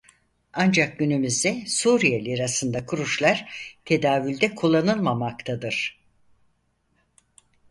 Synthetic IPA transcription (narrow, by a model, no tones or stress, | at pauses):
and͡ʒak̚ɟynymyzd̪ɛsuɾijelʲiɾasɯnd̪akʰuɾuʃlˠaɾ̥t̪ʰe̞d̪aːvylʲd̪ɛkʰulˠːanɯlˠmamakt̪ʰad̪ɯɾ̥